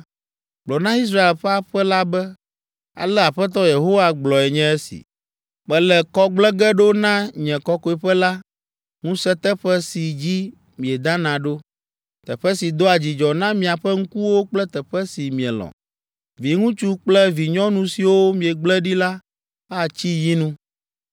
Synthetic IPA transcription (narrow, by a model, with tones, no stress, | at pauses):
ɡ͡blɔ˨nã˦i˦s̬ɾa˦e˨lɸɛ˦a˨ɸɛ˦la˦bɛ˦ | a̰˨lɛ˦a˨ɸɛ˦t̪̬ɔ˦je˨ɦo˦wa˦ɡ͡blɔ˨ɛ˨ɲɛ̃˦ɛ˦sḭ˨ | k͡pɛ˦lɛ˨kɔ˦ɡ͡blɛ˦ɡɛ˦ɖo˦nã˦ɲɛ̃˨kɔ˦kɔ˨ɛ˨ɸɛ˦la˦ | ŋũ˦sɛ˦t̪ɛ˦ɸɛ˦si˨d͡ʑi˦ | mĩ˨ɛ˨d̪ã˦nã˨ɖo˦ | t̪ɛ˨ɸɛ˦si˨d̪o˦a˨d͡ʑi˨d͡ʒɔ˨nã˦mĩ˨a˨ɸɛ˦ŋ̩˦ku˦wo˦k͡plɛ˦t̪ɛ˨ɸɛ˦si˨mĩ˨ɛ̰˨lɔ̰̃˨ | vi˨ŋũ˦t͡ʃu˦k͡plɛ˦vi˨ɲɔ̃˦nũ˨˦si˨wo˦mĩ˨ɛ˨ɡ͡blɛ˦ɖi˦la˦ | a˦˨t͡ɕi˦ji˦nũ˦